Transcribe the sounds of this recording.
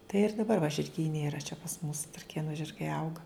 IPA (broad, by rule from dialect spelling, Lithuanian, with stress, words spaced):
tɐɪ ɪr dɐˈbɐr ʋɐ ʒʲɪrʲˈɡʲiːnʲɛ iːˈrɐ t͡ʃʲɛ pɐs mʊs trɐˈkʲeːnʊ ʒʲɪrˈɡɐɪ ˈɐʊɡɐ